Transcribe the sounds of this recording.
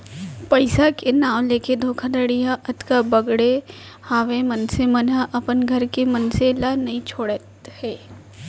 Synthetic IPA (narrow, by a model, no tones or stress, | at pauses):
pɐɪsakenaːwleːked̪ʱoːkʰad̪əɽijaʔɐt̪kabɐɡɽe | haːʋemɐnsemɐnaʔɐpənɡʱɐɾkemɐnselanɐɦĩt͡ʃʰoːɽət̪hɛː